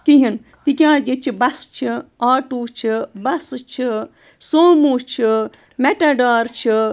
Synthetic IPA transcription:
kiɦin | t̪ikʲjãːd͡ʒet͡ʃʰibɐst͡ʃʰiaːʈuːt͡ʃʰibɐst͡ʃʰi | soːmuːt͡ʃʰi | meʈaɖaːɾt͡ʃʰi

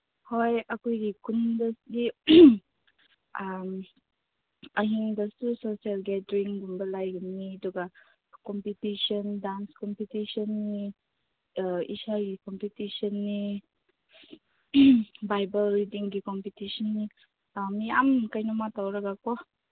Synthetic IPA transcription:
hɔjʔakujɾikundəsdi | ʔam | aɦiŋdəstusosialɡɛdɾiŋɡumbəlajɡunːiduɡa | kɔmpitiʃɔndanskɔmpitisɔnːi | ḭsaɡikɔmpitisɔnːi | bajbəlːidiŋɡikɔmpitisɔnːi | amiamkajnumat̪awɾaɡakɔ

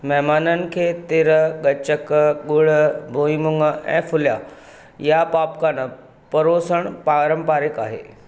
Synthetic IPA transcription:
mɛɦmaːnənɪ̆kʰeːt̪ɪɾəɠɐt͡ɕəkɠʊɽ̤əbʱoːimʊŋəɛ̰̃ːfʊlja | japaːpkaːnə | pɐɾoːsəɽ̃paːɾəmpaːɾɪkaːɦḛː

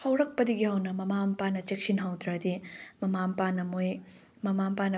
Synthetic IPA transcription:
hɐwɾɐk̚pɐdiɡihɐwnɐmɐmampanɐt͡ʃek̚sinɦɐwdɾɐdimɐmampanɐmoj | mɐmampanɐ

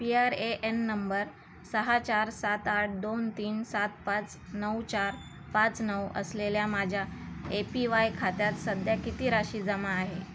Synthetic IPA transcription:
piaɾeʔenːəmbəɾ | səɦat͡ɕaɾsat̪aʈ̚ʰd̪ont̪iːnsat̪pãt͡s | nəwt͡ɕaɾ | pãt͡snəwə̰sleljamad͡ʑʱjaepiʋajkʰat̪jat̪səd̪ʱjakit̪iːɾaɕiːd͡zəmaːɦe

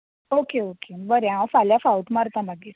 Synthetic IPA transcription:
okeokebəɾjãwfaljafauʈmaɾt̪amaɡeɾ

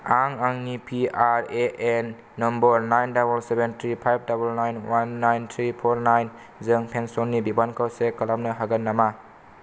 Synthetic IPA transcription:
aŋaŋnipʰiaɾeʔenː | ɔmbɔɾnajndabulsebentʰɾipʰajp̚ʰdabulnajnwanːajntʰɾipʰoɾnajn | zɯŋpʰensonːibibankʰawsekɐlamnɐɦaɡɐnːama

